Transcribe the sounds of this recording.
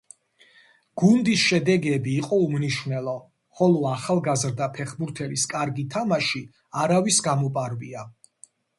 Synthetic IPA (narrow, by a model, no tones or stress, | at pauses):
ɡ̥und̪isʃɛd̪ɛɡɛbiːqʼɔumniʃvnɛlˠɔ | χɔlˠɔaχalˠɡazɾd̪apʰɛχbuɾt̪ʰɛliskʼaɾɡit̪ʰamaʃi | aɾavisɡamɔpʼaɾvḭa